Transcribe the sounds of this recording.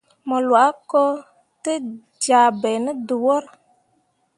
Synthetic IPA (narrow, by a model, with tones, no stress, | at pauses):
mɔ˨lwa˨˦ko˦ | tɨ˦ | d͡ʒaː˨bɛ˨nɨ˦du˨wo˦ɾ